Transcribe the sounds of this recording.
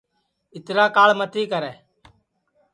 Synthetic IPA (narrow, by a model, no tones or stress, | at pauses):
ɪt̪ɾaːkaːɭmət̪iːkəɾɛː